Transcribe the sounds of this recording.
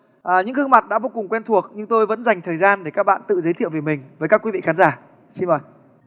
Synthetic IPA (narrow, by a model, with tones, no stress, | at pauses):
ʔəː˨˩ɲɨ̰˧˥ŋhɨ˧ŋmaː˨˩t̚ɗa̰ː˧˥vo˧kʊ˨˩ŋ͡mkwɛ˧nt̪ʰu˨˩ək̚ɲɨ˧ŋt̪o˧jvə̰˧˥nza˨˩jŋ̟t̪ʰəː˨˩jzaː˧nɗe˧˩kaː˦˥k̚ɓa̰ː˧˨nt̪ɨ̰˧˨zə˨˦jt̪ʰḭ˧˨wve˨˩jmï˨˩ŋ̟vəː˨˦jkaː˦˥kwi˨˦vḭ˧˨xaː˨˦nzaː˧˩ | si˧nvəː˨˩j